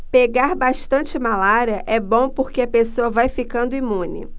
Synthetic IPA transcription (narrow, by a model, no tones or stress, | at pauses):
peɡaɾbaʃt̪ɐ̃nt͡ʃɪmalaɾiɐʔɛbõpoɾkeɐpesoɐvajfikɐ̃nd̪ʊimũnɪ̰